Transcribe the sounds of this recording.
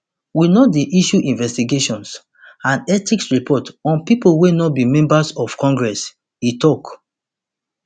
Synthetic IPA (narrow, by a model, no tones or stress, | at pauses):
winɔdeʔiʃuʔĩnvɛstiɡeʃɔ̃ns | ãnɛtiksɹipʰɔtɔ̃npipolwenɔt̚bimɛ̃mbasɔfkɔ̃ŋɡɹɛs | itɔk